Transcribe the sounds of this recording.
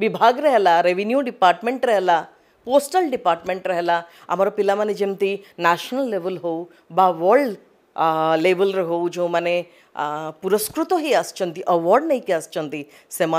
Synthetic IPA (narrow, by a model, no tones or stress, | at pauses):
ʋibʱaːɡɾɐɦelaɾeʋinjuɖipaːɾʈmẽɳʈɾəɦla | poːsʈəlɖipaːɾʈmẽɳʈɾɐɦela | ɐ̰maɾopilamaned͡ʒemt̪inaːʃnəlːeʋəlɦou | baʋəɾɖ | leːʋəlɾəɦoud͡ʒomane | puɾəskɾut̪oɦiast͡ʃʰɐ̃nt̪iʔɐʋɔɾɖnɐɦĩkiast͡ʃʰə̃nt̪i | sema